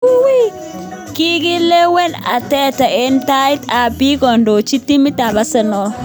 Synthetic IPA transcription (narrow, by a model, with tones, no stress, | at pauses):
wi˦ | ki˦ɡi˦le˦we˦na̰˨tɛ˦ta˨e˦nta˦ɪ˦ta˨pi˦kɔ˨ndo˨t͡ʃi˦ti˦mi˦ta˨ba˦sɛ˨nɔ˨